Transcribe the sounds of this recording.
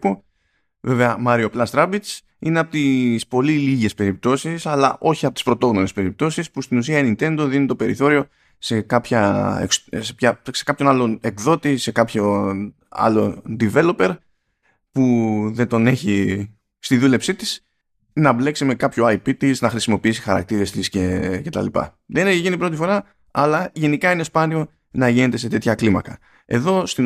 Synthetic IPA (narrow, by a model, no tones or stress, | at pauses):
po | ve̞ve̞ɐmɐɾio̞plɐst̪ɾɐbit͡s | ineɐpot̪ispo̞liliʝe̞spe̞ɾip̚t̪o̞sisɐlɐʔo̞çiɐpot̪ispɾo̞t̪o̞ɣnone̞spe̞ɾip̚t̪o̞sispust̪inus̬iɐenint̪e̞nd̪o̞ðinet̪o̞pe̞ɾiθo̞ɾio̞ | se̞kɐpçɐekssepçɐse̞kɐpço̞nɐlo̞ekðo̞t̪ise̞kɐpço | ɐ̰lo̞nd̪ive̞lo̞pe̞ɾ | puðet̪o̞ne̞çi | st̪iðule̞psit̪is | nɐble̞ksime̞kɐpçoɐjpit̪iznɐxɾisimo̞piisi̥xɐɾɐ̰k̚t̪iɾe̞st̪isce̞ce̞t̪ɐ̰lipɐ̰ | ðeneçiʝinipɾo̞t̪ifo̞ɾɐ | ɐlɐʝe̞nikɐinespɐnio̞ | nɐʝine̞t̪e̞s̬e̞t̪e̞t̪çɐklimɐ̰kɐ | e̞ðo̞st̪i